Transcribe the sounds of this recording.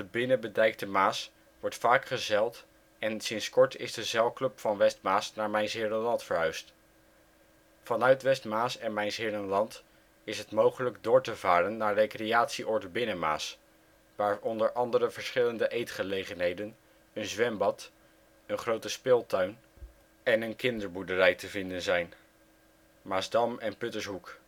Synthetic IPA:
dəbɪnəbədɛjk̚təmaːs | ʋɔɹtfaːkχəzɛlˠt | ɛnsɪnskɔɹtɪ̰zdəzɛlˠklɵpfɑnʋɛstmaːsnaːɹmɛjnzɪːɹrənlɑntfəɹɦœɥst | fɑnœɥtʋɛstmaːsɛnmɛjnzɦɪːɹənlɑnt | ɪsɦətmowχələɡdʊːɹtəvaːɾənːaːɹrejkrejaːtsiʔɔɹdəbɪnəma̰ːs | ʋaːɹɔndəɹʔɑndəɾəvəɹsχɪləndəʔejtχəlejχənɦejdən | ənzʋɛmbɑt | ənχrowtəspɪːlˠtœɥn | ɛnənkɪndəɹbudərɛjtəvɪndənzɛjn | maːzdɑmɛnpɵtəsɦuk

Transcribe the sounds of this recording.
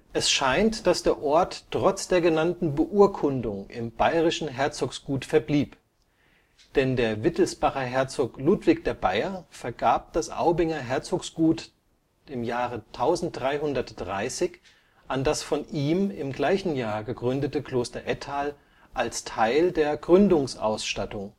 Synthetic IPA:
ʔɛsʃaɪntd̥asd̥eːɐʔɔɐtːʁ̥ɔt͡sd̥eːɐɡənantn̩bəʔuːɐkʰʊndʊŋʔɪ̰mbaɪʁɪʃn̩ɦɛɐt͡soksɡ̥uːtfɛɐbliːp | d̥ɛndeːɐvɪtl̩sb̥aχɐɦɛɐt͡soːkluːtv̥ɪkd̥eːɐbaɪɐnfɛɐɡaːp̚d̥asʔa̰ʊbɪŋɐɦɛɐt͡soːksɡ̥uːt | ɪmjaːʁətʰaʊzn̩t̚d̥ʁaɪɦʊndɐtd̥ʁaɪsɪç | ʔandasfɔnʔiːmɪmɡlaɪçn̩jaːɐɡəɡʁʏndətəkʰl̥oːstɐʔɛtʰaːl | ʔalstʰaɪldeːɐɡʁʏndʊŋsʔa̰ʊsʃtatʊŋ

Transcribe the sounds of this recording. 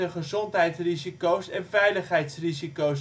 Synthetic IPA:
əχəzɔntɦɛjtsrizikowsɛnvɛjləχɦɛjtsrizikows

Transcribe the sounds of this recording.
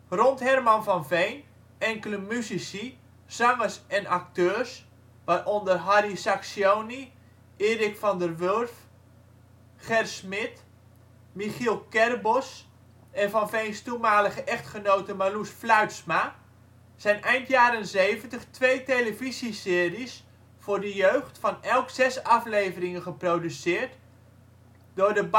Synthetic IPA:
ronthɛrmanfɔnvejn | ɛŋkələmysisi | sɔŋəsɛnak̚tøːrs | ʋarʔondərɦarisaksjoːni | ʔɪːrɪkfɔndərʋørf | χɛrsmɪt | miχilˠkɛrbos | ɛnvɑnfejnstumaːləχəʔɛχtχənowtəmalusflœɥtsma | z̥ɛjnɛjntjaːɾənzejvəntəχtʋejtejləvizisɪːris | fʊːrdəjøɥχtfɑnɛlˠksɛsɑflejvərɪŋənχəprowdysɪːrt | d̥ʊːrdəb

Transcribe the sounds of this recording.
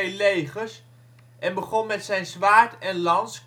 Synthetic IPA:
jlejχəɹs | ʔɛnbəχɔnmɛtsɛjnzʋaːɹtɛnlɑnsk

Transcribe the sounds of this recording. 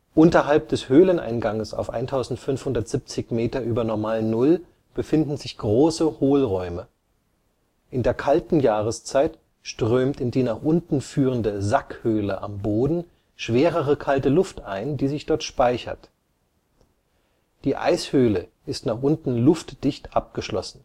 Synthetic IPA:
ʔʊntɐɦalp̚d̥ɛshøːlənʔa̰ɪnɡaŋəsa̰ʊfʔa̰ɪntʰaʊzn̩tfʏnfhʊndɐtz̥ip̚t͡sɪçmeːtɐʔyːbɐnɔɐmaːlnːʊl | b̥əfɪndn̩zɪçɡ̥ʁoːsəhoːlʁɔʏmə | ʔɪndeːɐkʰaltn̩jaːʁəst͡saɪt | ʃtʁ̥øːmtɪndiːnaːχʔʊntn̩fyːʁ̞əndəzakhøːləʔa̰mboːdn̩ | ʃv̥eːʁəʁəkʰaltəlʊftʔaɪndiːzɪçd̥ɔɐtʃpaɪçɐ̰t | d̥iːʔa̰ɪshøːləʔɪstnaːχʔʊntn̩lʊftd̥ɪçtʔap̚ɡ̥əʃlɔ̰sn̩

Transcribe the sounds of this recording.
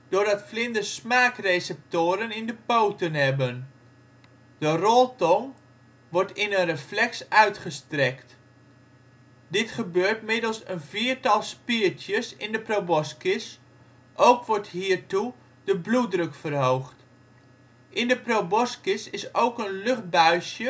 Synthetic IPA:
d̥ʊːɹdɑtflɪndəsmaːkresɛp̚toːɾənɪndəpowtənɦɛbən | d̥ərɔlˠtɔŋ | ʋɔɹtɪnənrəflɛksœɥtχəstrɛkt | dɪtχəbøːɹtmɪdəl̩ˠsənviːɹtɑlˠspiːɹtjəsɪndəprowbɔskɪs | ʔowkʋɔɹtɦiːɹtu | d̥əbludrɵkfərɦowχt | ʔɪndəprowbɔskɪsɪsowkənlɵχt̚bœɥsjə

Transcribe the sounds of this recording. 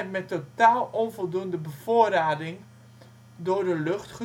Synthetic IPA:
mɛtːotaːlˠɔnvɔlˠdundəbəv̥oːəraːdɪŋ | dʊːrdəløχtχə

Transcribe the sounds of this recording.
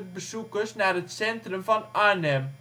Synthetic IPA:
t̚bəsukəsnaːɾətsɛntrəmfɑnɑɹnɛm

